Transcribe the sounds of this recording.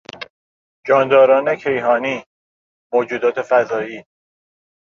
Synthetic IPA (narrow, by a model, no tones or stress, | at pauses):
d͡ʒɒːnd̪ɒːɾɒːne̞cʰe̞jɦɒːniː | moːd͡ʒuːd̪ɒːt̪ʰe̞fæzɒːiː